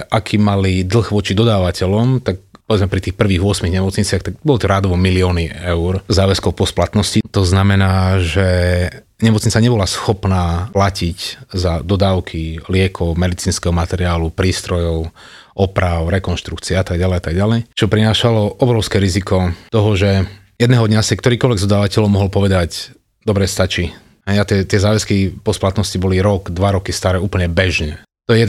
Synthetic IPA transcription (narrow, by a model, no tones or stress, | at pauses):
ʔakʰiːmalid̪l̩ɣʋɔt͡ʃid̪ɔd̪aːʋacɛlɔmt̪ak̚pɔʋɛd͡zmɛpɾit̪iːxpr̩ʋiːɣʋʊɔsmiɣɲɛmɔt͡sɲit͡sɪaxt̪ak̚bɔlɔt̪ɔɾaːd̪ʋɔmiliɔːniɛʊɾzaːʋɛskɔʊpɔsplat̪nɔscit̪ɔznamɛnaːʒɛ | ɲɛmɔt͡sɲit͡saɲɛbɔlasxɔpnaːplaciczad̪ɔd̪aːʊkʰilɪɛkʰɔmɛd̪it͡siːnskɛɦɔmat̪ɛɾɪaːlupɾiːst̪ɾɔjɔʊ | ʔɔpɾaʊɾɛkɔnʃt̪ɾukt͡siɛat̪aɡɟalɛjat̪aɡɟalɛjt͡ʃɔpɾinaːʃalɔʔɔbɾɔʊskɛɾizikɔt̪ɔɦɔʒɛ | jɛd̪nɛːɦɔd̪ɲasɛkt̪ɔɾiːkɔlʋɛɡzd̪ɔd̪aːʋacɛlɔʊmɔɦɔlpɔʋɛd̪ac | d̪ɔbɾɛst̪at͡ʃi | ɦɛjat̪ɛt̪ɪɛzaːʋɛskipɔsplat̪nɔscibɔliɾɔɡd̪ʋaɾɔkist̪aɾɛːuːpl̩ɲɛbɛʒɲɛ | t̪ɔjɛɛ